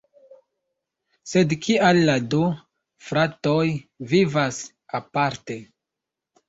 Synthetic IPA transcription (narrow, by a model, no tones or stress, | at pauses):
se̞dkʰialːadu | fɾatojvivas | apaɾte̞